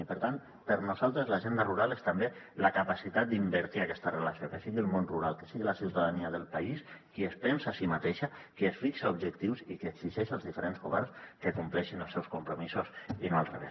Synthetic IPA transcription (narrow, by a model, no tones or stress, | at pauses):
ipəɾt̪an | pəɾnuzalˠt̪ɾəzlaʒend̪aruɾalest̪ambe | ləkapasit̪at̪̚d̪imbəɾt̪iakɛst̪ərəlasiokəsiɣiəlˠmonruɾalˠkə̥siɣilasiwt̪aðaniaðəlˠpaiskiespɛnsasimat̪eʃakesfiksaubʒəkt̪iwsikəːɡziʒɛʃalˠzðifəɾenzɣuβɛrnskəkumplɛʃinəlˠsɛwskumpɾumisusinoalˠrḛβḛs